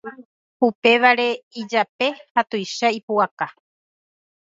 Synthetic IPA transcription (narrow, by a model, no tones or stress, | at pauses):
a | hupe̞ʋaɾe̞id͡ʒape̞hat̪ojʃaipuaka